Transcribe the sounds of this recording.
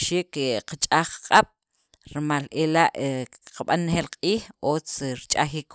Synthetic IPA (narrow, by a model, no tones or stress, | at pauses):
ʃiːkeqat͡ʃʼaχqqʼaɓ̥ | ɾmalelaʔqaɓanːxeːlqʼiːxot͡sɾt͡ʃʼaxik